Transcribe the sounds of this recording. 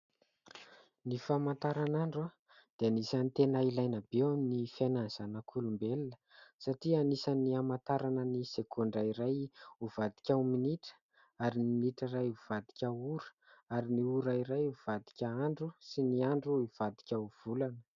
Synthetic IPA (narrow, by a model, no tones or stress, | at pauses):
nifamant̪aɾanaɳɖ͡ʐa | d̪̥eanisanit̪enailajnəbewaminifananzanəkʰulumbelnə̥saʈ͡ʂianisaniamant̪aɾanənisekʰoɳɖ͡ʐaiɾajuvad̪i̥kʲawminiʈ͡ʂə̥ | aɾininiʈ͡ʂərajuv̥ad̪i̥kʲauɾə̥ | aɾiniuɾaiɾajuv̥ad̪i̥kʲəaɳɖ͡ʐusiniaɳɖ͡ʐuiv̥ad̪i̥kʲauv̥ulanə̥